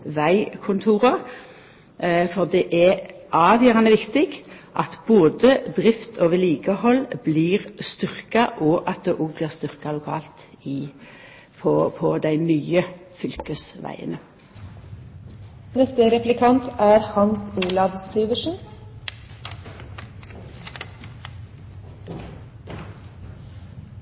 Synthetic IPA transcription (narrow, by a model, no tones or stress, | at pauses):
ʋæɪkʰʊnt̪ʰuːʁə | fɔʁd̪ɛʔæ | ʔɑːʋjøːʁɑnəʋɪkt̪ɪɡ | ʔɑt̪boːd̪əd̪ʁɪft̪ʰoːʋəliːɡəhɔlbliːʁst̪ʏʁkɑʔɔʔɑt̪̚d̪ɛːʔɔːɡbliːʁst̪ʏʁkɑlʊkʰɑ̰ːlt̪ | ɪ | pʰɔpʰɔd̪æɪnyːəfʏlkəsʋæ̰ɪə̰nə | nɛst̪əɾɛplɪkʰɑnt̪ʰæːɾhɑnsuːlɑʋsyːʋəʃn̩